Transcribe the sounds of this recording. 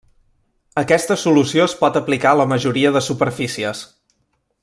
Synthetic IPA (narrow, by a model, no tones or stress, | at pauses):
əkɛst̪əsulusioəspɔt̪əplikaələməʒuɾiəðəsupəɾfisiəs